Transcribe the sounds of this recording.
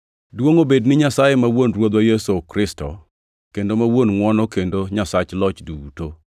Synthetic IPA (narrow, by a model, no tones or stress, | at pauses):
dwoŋobednɪɲasajemawonɾwod̪wajɛsokɾɪstɔ̰ | kendomawonŋwɔnɔkendoɲasat͡ʃlɔt͡ʃduuto